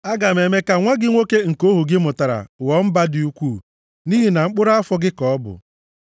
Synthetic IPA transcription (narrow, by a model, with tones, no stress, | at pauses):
a˦ɡa˨me˨me˦ka˨ŋʷa˦ɡɪ˦ŋʷo˦ke˦ŋ̩˨ko˦ɦu˨ɡɪ˦mʊ˨ta˨ɾa̰˨wɔ˨˦m̩˦ba˦di˦u˦kʷuː˦˨ | ni˦ɦi˨na˨ŋ͡m̩˦k͡pʊ˦ɾa˦a˦fɔ˦ɡɪ˦kɔ˨ɔ˦bʊ̰˨